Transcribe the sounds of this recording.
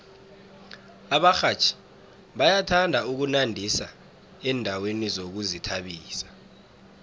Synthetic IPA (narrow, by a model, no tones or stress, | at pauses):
aɓaxat͡ʃʰi̥ | ɓajatʰandʱauk̬unandʱisa̰ | ɛːndʱawenizok̬uzitʰaɓiːsḁ